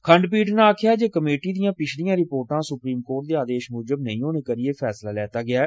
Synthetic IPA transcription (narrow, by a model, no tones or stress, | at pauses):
kʰəɳɖpiːʈnãːkʰɪjaːd͡ʒeːkəmeːʈiːd̪ijãːpɪt͡ʃʰlijãːɾɪpoːɾʈãːsʊpɾiːmkoːɾʈ̚d̪eːaːd̪eːʃmuːd͡ʒəbnəĩːɦoːnẽːkəɾɪeːpʰɛːslaːlɛːt̪aːɡɪaː